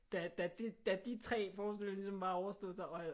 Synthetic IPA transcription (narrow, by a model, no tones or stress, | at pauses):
d̥æd̥æd̥ed̥æd̥it͡sʰʁɛ̰ːfɒːsd̥ellisɒ̽mbɑ̈ːɒʊɐsd̥ɔ̽ðˠsɑ̈ɒ